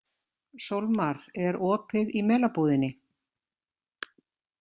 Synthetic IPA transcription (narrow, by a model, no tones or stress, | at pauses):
sowlmaɾɛɾɔːpɪðimɛːlapuːðɪnɪ